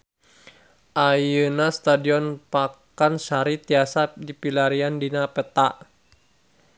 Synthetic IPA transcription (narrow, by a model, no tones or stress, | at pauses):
ʔajənast̪adiɔnpakansaɾit̪iasadipilaɾiandinapət̪aʔ